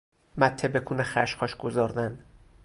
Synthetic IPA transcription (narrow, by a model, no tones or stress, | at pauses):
mæt̪ʰːebekʰuːnexæʃqɒːʃɡ̥ozɒːɾd̪æn